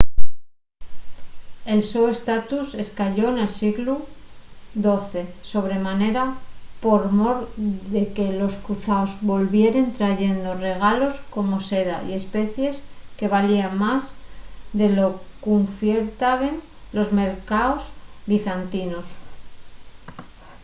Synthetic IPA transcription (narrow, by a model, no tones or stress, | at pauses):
e̞lsoest̪at̪use̞skaʎo̞ene̞lsiɣlu | d̪o̞θe̞so̞β̞ɾe̞mane̞ɾapo̞ɾmo̞ɾðeke̞lo̞skɾuθaozβo̞lβje̞ɾe̞nt̪ɾaʝe̞nd̪o̞re̞ɣ̞alo̞sko̞mo̞se̞ða̰ḭe̞spe̞θje̞ske̞βaliamazðe̞lo̞kuɱfjeɾt̪aβe̞n | lo̞zme̞ɾkaozβiθant̪ino̞s